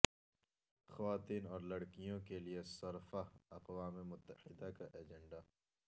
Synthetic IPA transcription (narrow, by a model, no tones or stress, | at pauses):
xɐʋaːt̪iːnɔːɾlɐɽkijõkeliesɐɾfaɐqwaːmemʊt̪ːəhɪd̪akaʔeːd͡ʒẽɳɖa